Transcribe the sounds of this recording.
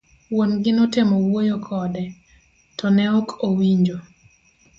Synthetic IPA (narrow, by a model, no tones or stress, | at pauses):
wonɡɪnɔtɪmɔwojokʰɔdɛ | tɔnɛokowiɲd͡ʒo